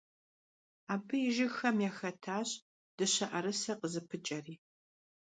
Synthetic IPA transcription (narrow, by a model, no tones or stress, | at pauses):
aːbɨjɪʒɪxɐmjaːxɐtʰaːɕ | d̥ɨɕɐʔɐɾɨsɐqəzɨpʰɨt͡ʃʼɐriː